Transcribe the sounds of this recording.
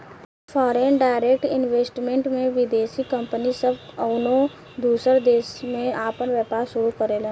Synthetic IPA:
fʰɔːɾeːnɖaːɪɾeːk̚ʈɪnʋeːsʈmẽɳʈmẽʋɪd̪eːʃikɐ̃mpənisəbɐʊnõ | d̪uːsəɾd̪eːsmẽaːpənʋjɛːpaːɾsʊɾukəɾelẽː

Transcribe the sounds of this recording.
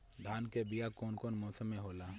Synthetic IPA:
d̪ʱaːnkebɪjakoːnkoːnmɔːsəmẽɦoːlaː

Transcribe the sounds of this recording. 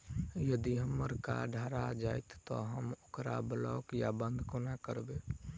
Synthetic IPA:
jəd̪iɦəmːəɾka̰ɖʱaːɾad͡ʒaːjt̪ːɔɦəmokɾa̰blɔkjabənd̪ʱkonakəɾbe

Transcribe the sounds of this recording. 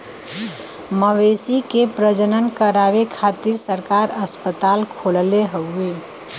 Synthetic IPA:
məʋesikepɾəd͡ʒənənkəɾabekʰat̪iɾsəɾkaɾəspət̪alkʰolleɦəe

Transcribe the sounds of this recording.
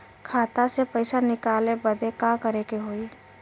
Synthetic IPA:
kʰaːt̪asepəɪsanɪkaːlebəd̪ʱekãkəɾekeɦoːi

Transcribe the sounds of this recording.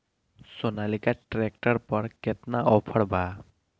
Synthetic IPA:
sonalikaʈɾek̚ʈəɾpəɾket̪naɔpʰəɽbʱaː

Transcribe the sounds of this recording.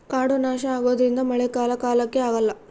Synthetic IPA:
kaːɽunaːʃɐaːɡo̞ːd̪ɐɾind̪ɐmɐɭekaːlɐkaːlɐkːe̞aːɡɐlːɐ

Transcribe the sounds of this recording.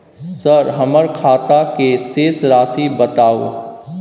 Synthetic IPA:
səɾɦɐməɾkʰaːt̪akeseːsɾaːsibɐt̪aːo̰ː

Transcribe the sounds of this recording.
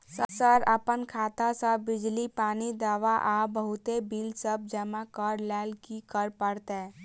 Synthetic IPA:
səsəɾəpənkʰaːt̪asəbbɪd͡ʒlipaːnid̪aːʋaʔaːbəɦʊt̪ebiːlsəb̚d͡ʒəmakəɾlɛːlkikəɾpəɾt̪ɦɛ

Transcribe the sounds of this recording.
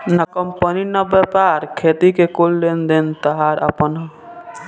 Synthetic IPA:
nəkəmpəninəbɛpaɾkʰet̪ikekolːend̪int̪əɦaɾə̰pən

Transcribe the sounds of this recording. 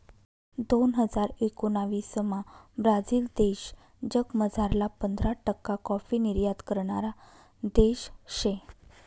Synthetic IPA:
d̪onɦəd͡zaɾekonaʋiːsəmabɾad͡ziːld̪eɕ | d͡ʑəkməd͡zʱaɾlapənd̪ʱɾaʈəkːakɔfiniɾjad̪kəɾɳaɾa | d̪eɕɕe

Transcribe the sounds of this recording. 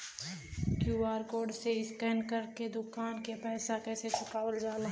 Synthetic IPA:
kjuaːɾkoːɖseɪskɛːnkəɾked̪ʊkaːnkepɛːsakɛːset͡ʃʊkaːʋəld͡ʒaːla

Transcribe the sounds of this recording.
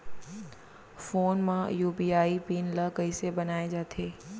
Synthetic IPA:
foːnmãjuːbiːaːipiːnləkəisebɐnaːed͡ʒaːt̪ʰeː

